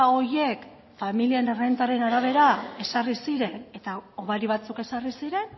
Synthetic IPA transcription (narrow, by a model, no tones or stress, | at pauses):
o̞je̞k | familienerent̪aɾe̞naɾaβ̞e̞ɾae̞sarisiɾe̞ne̞t̪aoβaɾiβ̞at͡suke̞sarisiɾe̞n